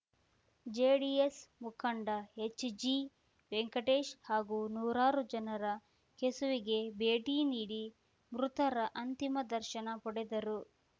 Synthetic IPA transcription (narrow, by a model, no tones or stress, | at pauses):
d͡ʒeːɽiesmukʰɐɳɖɐet͡ʃːd͡ʒi | ʋeŋkɐʈeːʃhaːɡuːnuːɾaːɾud͡ʒɐnɐɾɐ | kesuʋiɡe̞beːʈiːniːɽi | mɾut̪ɐɾɐʔɐnt̪imɐd̪ɐɾʃɐnɐpɔɽed̪ɐɾu